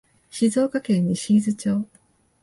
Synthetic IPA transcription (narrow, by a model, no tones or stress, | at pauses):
ɕizo̞ːkakẽ̞ɲ̟ːiɕiizɨt͡ɕo̞ː